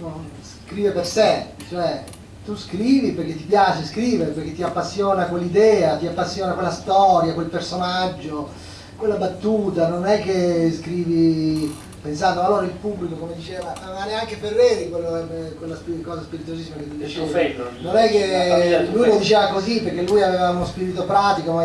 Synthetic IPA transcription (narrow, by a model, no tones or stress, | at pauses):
nonskɾiːveperset͡ʃoɛ | t̪uskɾiːviperk̟et̪ːipjaːt͡ʃeskɾiːveɾperk̟et̪ːiapːasːjoːnakwelːid̪ɛːat̪iapːasːjoːnakwelːast̪ɔːɾjakwelpersonad͡ʒːo | kwelːabat̪ːuːt̪anonɛk̟ːeskɾiːvi | pensand̪oalːoːɾailpublikokomed̪it͡ʃeːvanonaneaŋkeferːeːd̪ikwelːokwelːaspikɔːzaspiɾit̪uozisːimaket̪ːud̪it͡ʃeːvet̪ononɛkːelujlod̪it͡ʃeːvakoziperk̟elːujaveːvaunospiːɾit̪opɾaːt̪ikoma